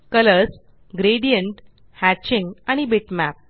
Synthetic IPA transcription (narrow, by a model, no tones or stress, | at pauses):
kələs | ɡɾeɽijəɳʈ | hæt͡ɕĩŋɡaɽ̃ibeʈmæp̚